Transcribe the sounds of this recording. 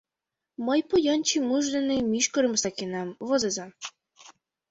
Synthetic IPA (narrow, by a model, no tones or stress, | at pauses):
mɤjpŏjɑnt͡ɕimuʒd̪ĕnemʲiʃkɤ̆ɾɤ̆msɑkʲinɑmvozezɑm